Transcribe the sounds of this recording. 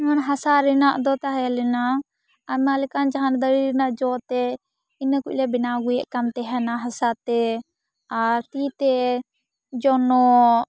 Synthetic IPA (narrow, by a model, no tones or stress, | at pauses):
manɦasaɾɛnaʔd̪ɔt̪aɦalɛna | amalɛkand͡ʒaɦand̪əɾiɾɛnaʔd͡ʒɔt̪ɛ | inəkuclɛbinaɡujɛʔkamt̪ɛɦɛnaɦasat̪ɛ | aɾt̪it̪ɛ | d͡ʒɔnɔ